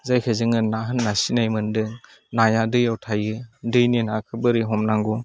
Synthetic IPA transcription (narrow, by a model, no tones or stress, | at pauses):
zajkʰɯzɯŋɯnaɦɯnːasinajmɯndɯŋ | najadɯjawtʰajɯdɯjninakʰɯbɯɾiɦɔmnaŋɡu